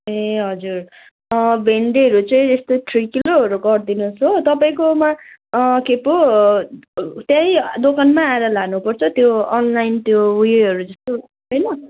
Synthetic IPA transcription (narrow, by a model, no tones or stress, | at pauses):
eɦʌd͡zur | bʱeɳɖeʌɾut͡sʌĩest̪oʈʰrikiloʌɾuɡʌrd̪inusʌt̪ʌpaĩkomakepo | t̪jãĩd̪okanmaːeɾʌlaɡnupʌrt͡sʰʌt̪joʌnlajint̪jowijeʌɾud͡zʌst̪o | ɦʌjnʌ